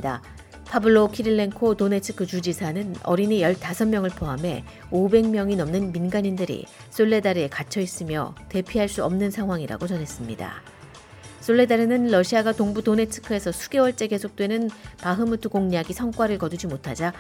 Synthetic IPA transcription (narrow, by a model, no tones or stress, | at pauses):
da̰ | pʰabuɭːokʰiɾiɭːeŋkʰotone̞t͡ɕʰɯ̥kʰɯt͡ɕud͡ʑisʰanɯnʌ̰ɾinijʌɭtasʰʌnmjʌŋɯɭpʰoame̞̰ | obe̞ŋmjʌŋinʌmnɯnminɡaɲindɯɾḭ | s͈oɭːe̞daɾekat͡ɕʰʌis͈ɯmjʌ̰te̞pʰiɦaɭs͈uʌmnɯnsʰaŋɦwaŋiɾa̰ɡot͡ɕʌnɦe̞s͈ɯmɲida̰ | s͈oɭːe̞daɾɯnɯnlʌɕʰiaɡatoŋbudone̞t͡ɕʰɯ̥kʰɯe̞sʰʌsʰu̥ɡe̞wʌɭt͡ɕ͈e̞ke̞sʰok̚t͈we̞nɯnpaɦɯmutʰuɡoŋɲaɡisʰʌŋk͈waɾɯɭkʌdud͡ʑimotʰad͡ʑa